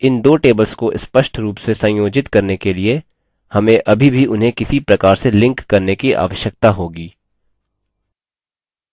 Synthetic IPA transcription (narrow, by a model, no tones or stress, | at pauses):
ɪnd̪oːʈeːbəlskoʔɪspəʃʈʰɾuːpsesɐ̃joːd͡ʒɪt̪kɐɾnekelie | hɐmẽʔɐbʱibʱiʊnɦẽkɪsipɾɐkaːɾselɪ̃ŋkːɐɾnekiʔa̰ːʋəʃjək̚t̪aɦoːɡiː